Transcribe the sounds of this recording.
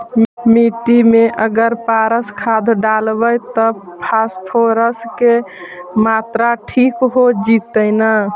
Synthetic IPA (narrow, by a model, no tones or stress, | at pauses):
miʈimeʔəɡəɾpaɾəskʰad̪ʱɖalbəjt̪əpʰaspʰoɾəskemat̪ɾaʈʰikɦod͡ʒit̪əjnə